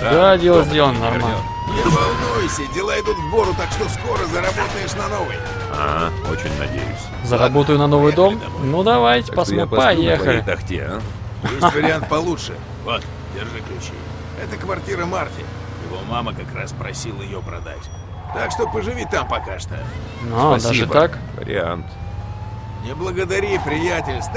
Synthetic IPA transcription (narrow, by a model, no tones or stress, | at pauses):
d̪adʲelˠəzʲdʲelˠənənɐrmal | nʲɪvɐlˠnujʊsʲədʲɪlˠaɪd̪ut̪vbo̞ɾʊt̪akʂt̪osko̞ɾəzəɾɐbo̞t̪əjɪʂnɐno̞vɨj | a̰ | o̰t͡ɕɪ̰nʲnɐ̰dʲḛjʊ̰sʲ | zəɾɐbo̞t̪ʊjʊnɐno̞vɨjd̪o̞mnud̪ɐvajtʲɪ̥pɐsmpɐjexəlʲɪt̪ɐxtʲḛa̰ | jesʲvəɾʲɪant̪̚pɐlˠutʂɨ̰ | vot̪ | dʲɪrʐɨklʲʉt͡ɕḭ | ɛt̪əkvɐrtʲiɾəmartʲɪ̰ | jɪvo̞maməkɐkraspɾɐsʲilˠɪjopɾɐ̰d̪a̰tʲ | t̪akʂt̪obpəʐɨvʲit̪ːampɐkaʂt̪ə̰ | nod̪aʐɨakvə̰ɾʲɪ̰a̰nt̪ | nʲɪblˠəɡəd̪ɐɾʲipɾʲɪjætʲɪlʲst̪